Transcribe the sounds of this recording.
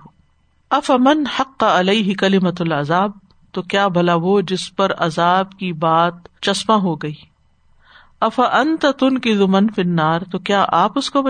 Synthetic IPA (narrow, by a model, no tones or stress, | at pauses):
ɐfɐmɐnħɐqːɑɐleɪɦɪkɐlɪmɐɐlɐzaːb̚ | t̪okjaːbʱɐlaʋod͡ʒɪspɐɾɐ̰zaːbkibaːt̪̚t͡ʃɐsmãɦoɡɐiː | ɐfɐʔɐnt̪at̪ʊnkɪzumɐnfɪnːaːɾt̪okjaːʔaːpʊskob